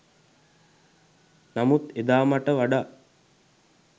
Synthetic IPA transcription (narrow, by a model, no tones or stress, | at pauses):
namut̪ed̪aːmaʈəʋaɖa